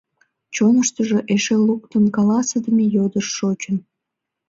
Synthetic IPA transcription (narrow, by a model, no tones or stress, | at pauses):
t͡ɕonəʃt̪əʒoʔeʃeluk̚t̪ənkɑlɑsəd̪əmejod̪əʃːot͡ɕən